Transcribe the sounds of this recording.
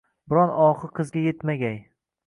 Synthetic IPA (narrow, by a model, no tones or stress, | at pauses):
bɪɾɒnɒχɨqʰɨzɡʲajet̪maɡʲaj